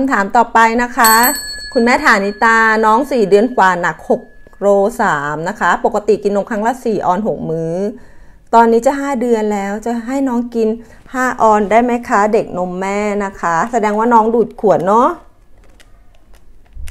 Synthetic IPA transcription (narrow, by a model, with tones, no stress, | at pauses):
kʰa˧mt̪ʰaː˩˦mt̪ɔː˨˩pa˧jna˦˥kʰa˦˥kʰu˧nmɛː˥˩t̪ʰaː˨˩˦ni˦˥t̪aː˧nɔː˦˥ŋsiː˨˩dɯ˧ənkʰwaː˨˩na˨˩k̚ho˨˩k̚ | ɾoː˧saː˩˦mna˦˥kʰa˦˥po˨˩kːa˧t̪i˨˩ki˧nːo˧mkʰa˦˥ŋlaː˦˥˩siː˨˩ʔɔː˧nɦo˨˩k̚mɯː˦˥ | t̪ɔː˧nːiː˦˥t͡ɕa˨˩ɦaː˥˩dɯ˧ənlɛː˦˥wt͡ɕa˨˩ɦa˥˩jnɔː˦˥ŋki˧n | haː˥˩ʔɔː˧ndaː˥˩jma˦˥˩jkʰa˦˥de˨˩k̚no˧mːɛː˥˩na˦˥kʰa˦˥sa˧dɛː˧ŋwaː˥˩nɔː˦˥ŋduː˨˩t̪̚kʰu˨˩ət̪̚nɔ˦˥